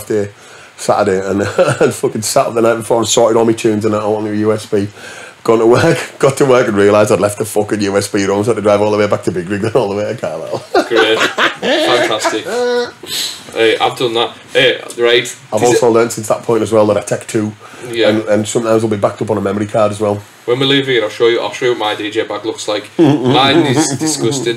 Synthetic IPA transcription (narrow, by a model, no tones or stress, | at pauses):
fde | sa̰ʔədeə̃nə̃nfʊkɪ̃nsat̚ðənaɪt̚b̥ɪfɔːɹaɪv̥sɔɹtɪɾ̩ˠmit͡ʃʰʉ̃ːnzə̃naɪõnəjʉːɛsb̥iːɡ̥ɔ̃nəwɜˑ˞kɡ̥ɒtʰəwɜˑ˞kə̃nɹiəlaɪzaɪdlɛft̪̚ðəfʊkə̃njʉːɛsb̥iːɹõmsatədɹaɪvɔːlˠðəweɪbak̚tʰəbɪɡɹɪɡ̚ðə̃nɔːlˠðəweɪəkʰɑːdɛ̰lˠɡ̥ɹe | fãntʰastɪk | ɛʔa̰ɪvdʊ̃nðaʔ | ɛːɹaɪt | aɪvɔːˑlsoʊlɜ̃ːntsɪ̃nsðəʔ̚pʰɔ̃ɪ̃ntəzwɛlˠðəɾaɪtʰɛk̚tʰʉː | jɛə̃nə̃nsʊ̃mtʰãɪzwɪlˠbibak̚tʰʊpn̩əmɛməɹikʰaːdəzwɛlˠ | wə̃nwəlɪvɪ̃ə̃naɪʃoːjəʔa̰ʃojʔmaɪdiːd͡ʒeɪbaklʊkslaɪkaɪ̃nɪzdɪskʊsɪd